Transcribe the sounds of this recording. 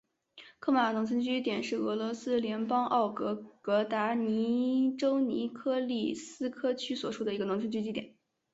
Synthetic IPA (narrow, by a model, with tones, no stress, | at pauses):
kʰɤ˥˩ma˨˩nʊ˧˥ŋt͡sʰə˥nt͡ɕy˥i˥t̪jɛ˨˩nʂɻ̩˥˩ɤ˧˥lwɔ˧˥sɹ̩˥ljɛ˧˥npɑ˥ŋʔɑ˥˩ʊkɤ˧˥kɤ˧˥t̪a˧˥ni˧˥ʈ͡ʂo˥ʊnḭ˧˥kʰɤ˥li˥˩sɹ̩˥kʰɤ˥t͡ɕʰy˥swɔ˨˩ʂu˥d̪ə˩i˧˥ɡə˧nʊ˧˥ŋt͡sʰə˥nt͡ɕy˥t͡ɕi˥t̪jɛ̰˨˩˦n